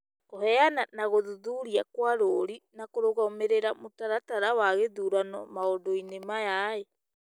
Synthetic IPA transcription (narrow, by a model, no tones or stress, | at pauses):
ohɛananaɣoðuðuːɾiakwaɾoɾinakoɾoɣaomeɾeɾamotaɾataɾawaɣeðuːɾanɔ̰maondoinemajae